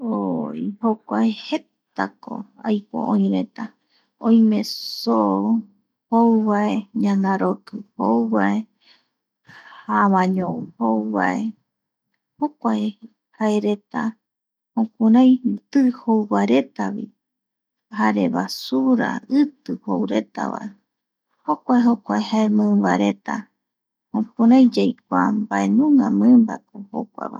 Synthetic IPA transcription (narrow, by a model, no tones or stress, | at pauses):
oihokʷaehet̪ako̞̰ajpo̰ʔõj̃ɾe̞t̪a | õj̃mẽso | howβaeɲãnaɾokɨhowβae | haβãɲõhowβa̰e | hokʷae | haeɾe̞t̪a | hõkũɾãj̃t̪ɨhowβaɾe̞t̪aβḭ | haɾe̞βasuɾa̰ɨt̪ɨhowɾe̞t̪a̰βa̰e | hokʷaeɦokʷaehaemɨ̃mbaɾe̞t̪a̰ | hõk̚ũɾãj̃d͡ʒajk̚ʷambaʔenũŋãmɨ̃mba̰koho̰kʷa̰βa̰